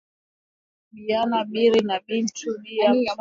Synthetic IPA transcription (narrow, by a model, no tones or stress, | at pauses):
ɓianaɓiɾinaɓin̩tʰuɓia